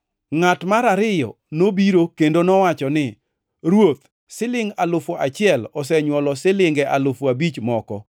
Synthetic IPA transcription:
ŋatmaɾaɾɪjɔ̰ | nobiɾokendonɔwat͡ʃɔnɪ | ɾwot̪̚ | sɪlɪŋalʊfoʔat͡ʃɪɛlɔsɛɲwɔlɔsɪlɪŋɡɛʔalʊfabit͡ʃmɔkɔ̰

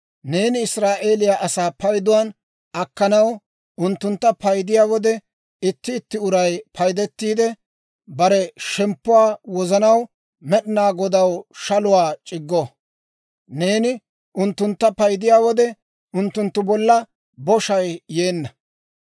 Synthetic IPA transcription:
ne̞ːnɪɪsɾaːʔe̞ːlɪjaːʔɐsaːpɐjd̪ʊwaːn | ɐkːɐnɐw | ʊnt̪ːʊnt̪ːɐpɐjd̪ɪjaːwɔd̪ɛ | ɪt̪ːɪːt̪ːɪʊɾɐjpʰɐjd̪ɛt̪ːiːd̪ɛ | bɐɾɛʃɛmpːʊwaːwɔzɐnɐw | mɛɗɪnaːɡɔd̪ɐwʃɐlʊwaːt͡ʃʼɪɡːo | ne̞ːnɪ | ʔʊnt̪ːʊnt̪ːɐpɐjd̪ɪjaːwɔd̪ɛ | ʊnt̪ːʊnt̪ːʊbɔlːɐ | bɔʃɐjje̞ːnːɐ

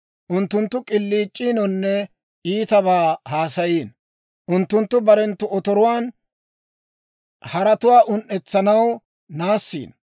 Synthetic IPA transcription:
ʔʊnt̪ːʊnt̪ːʊkʼɪlːiːt͡ʃʼːiːnɔnːɛ | ʔiːt̪ɐβaːhaːsɐjiːn | ʔʊnt̪ːʊnt̪ːʊbɐɾɛnt̪ːʊɔt̪ɔɾʊwaːn | hɐɾɐt̪ʊwaːʔʊnʔːɛt͡sːɐnɐw | naːsːḭːn

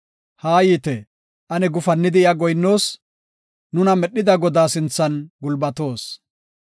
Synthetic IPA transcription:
haːjiːt̪ɛ | ʔɐnɛɡʊfɐnːɪd̪ɪɪɐɡɔjnːo̞ːs | nʊnɐmɛɗːɪd̪ɐɡɔd̪aːsɪnt͡sːɐnɡʊlbɐt̪o̞ːs

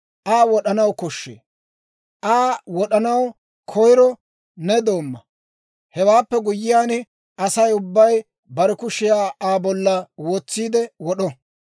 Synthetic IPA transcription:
ʔaːwɔɗɐnɐwkɔʃːḛː | ʔaːwɔɗɐnɐw | kʰɔjɾɔ | nɛd̪o̞ːmːɐ | hɛwaːpːɛɡʊjːɪjaːn | ʔɐsɐjʊbːɐj | bɐɾɛkʊʃɪjaːaːbɔlːɐwoːt͡sːiːd̪ɛwɔɗɔ

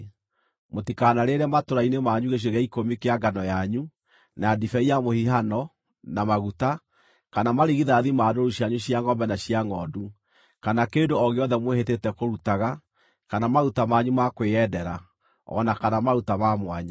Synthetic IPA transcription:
motikanaɾeɾɛmatoɾainemaɲuɣeɕ̬weɣɛikomikeaɡanɔjaɲu | naadifɛijamohiɦanɔ | namaɣuta | kanamaɾiɣiðaðimaːdoɾuɕjaɲuɕjaŋɔmbɛnaɕiaŋɔdu | kanakeːndoɔɣeɔðɛmwehetetɛkoɾutaɣa | kanamaɾutamaɲumakweɛdɛɾa | ɔ̰nakanamaɾutamamwaɲa

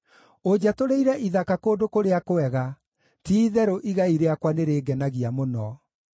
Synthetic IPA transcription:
od͡ʑatoɾeiɾɛʔiðakakoːdokoɾeakoɛɣa | tiːðɛɾoʔiɣaiɾeakwaneɾeːɡɛnaɣiamonɔ

